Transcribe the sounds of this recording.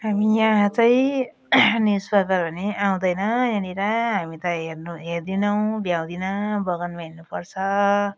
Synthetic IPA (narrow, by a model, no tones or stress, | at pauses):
ɦamijãɦt͡saĩ | nisbʌd̪ʌɾbʌniʔaw̃d̪ʌjnʌjʌniɾʌɦamit̪ʌɦernuɦerd̪inʌw̃bjaw̃d̪inʌbʌɡʌnmainupʌrt͡sʰʌ